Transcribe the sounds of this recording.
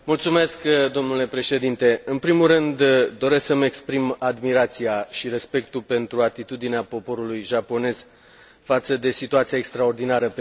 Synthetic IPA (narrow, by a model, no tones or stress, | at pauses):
mult̪sume̞skd̪o̞mnule̞pɾe̞ʃe̞d̪int̪e̞ɨnpɾimulrɨnd̪ːo̞ɾe̞sksəme̞kspɾimad̪miɾat̪siaʃiɾe̞spe̞k̚t̪upe̞nt̪ɾuat̪it̪ud̪ineapo̞po̞ɾulujʒapo̞ne̞z̥ | fat̪səd̪e̞sit̪uat̪siae̞kst̪ɾao̞rd̪inaɾə